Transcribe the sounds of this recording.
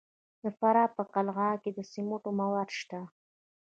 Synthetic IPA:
d̪̥əfaɾɑpəqalɣɑked̪əsimoʈomawad̪ʃt̪a

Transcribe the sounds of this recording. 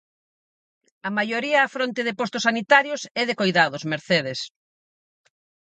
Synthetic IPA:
ɐmajoɾiɐːfɾont̪eðɪpost̪ʊsanit̪aɾjosɛðekojðaðʊzmeɾθeð̞es

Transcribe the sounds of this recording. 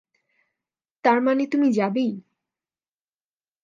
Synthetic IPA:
t̪aɾmanet̪umid͡ʑabej

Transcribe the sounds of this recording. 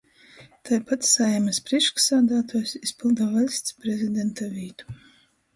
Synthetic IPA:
t̪ajpat̪sajamɨspɾiɛʃksaːd̪aːt̪ɔjsispʲilˠd̪avɛlʲsʲt̪spɾɛzʲid̪ʲɛnt̪avʲiːt̪u̥

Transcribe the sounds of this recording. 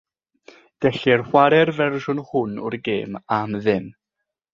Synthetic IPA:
d̥ɛɬɪrhwaɾɛrvɛrʒʊnhʊnʊ̰rɡeːmamðɪm

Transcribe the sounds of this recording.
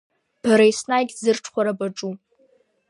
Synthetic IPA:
b̥aɾaisnajɡʲzɨrʈ͡ʂʰχʷaɾabaʈ͡ʂʼu

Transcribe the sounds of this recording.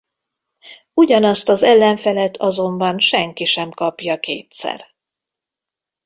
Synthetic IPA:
uɟɒnɒst̪ɒzɛlːɛɱfɛlɛt̪ʰɒzo̞mbɒnʃɛŋkiʃɛmkɒpjɒkeːt̪sɛ̰r

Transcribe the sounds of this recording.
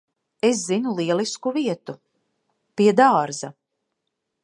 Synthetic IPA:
es̬zinulˠiɛlˠiskuviɛt̪u | piɛd̪aːɾza

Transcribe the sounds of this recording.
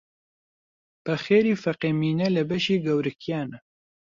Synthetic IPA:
b̥ɐxeːɾiːfɐqeːmiːnɛlɨbɐʃiːɡɐwɾɨkijaːnɛ

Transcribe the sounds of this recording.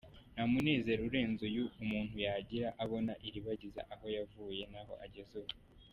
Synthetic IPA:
namune̞ːze̞ɾuɾe̞ːnzojuumuːn̥hujaɟiɾaʔaβo̞naʔiɾiβaɟiza̰ʔaho̞javuːje̞naɦo̞̰ʔaɟezuwu

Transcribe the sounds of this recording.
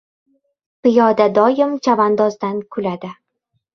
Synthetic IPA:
pɪjɒd̪ad̪ɒjɪmt͡ʃʰavand̪ɒzd̪ankʰʊlad̪ɪ

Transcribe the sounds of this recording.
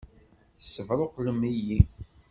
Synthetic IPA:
θəsːəvɾˤoqːləmiji

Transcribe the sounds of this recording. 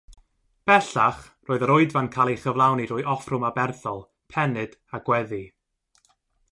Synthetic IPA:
b̥ɛɬaχ | roːɨðəɾʊːɨdvankʰalˠejχəvlˠawnirʊɨɔfrʊmabɛrθɔlˠ | pʰɛnɨd̥aɡ̥wɛði

